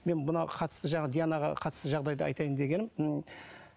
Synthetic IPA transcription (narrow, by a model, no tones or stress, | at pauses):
me̞nmʊnɑqʰɑt̪ə̥st̪əʒɑɴɑd̪ijanɑʁɑ̰qʰɑt̪ə̥st̪əʒɑʁd̪ɑjd̪əɑ̰jt̪ɑjɪnd̪e̞ɡʲe̞nɪm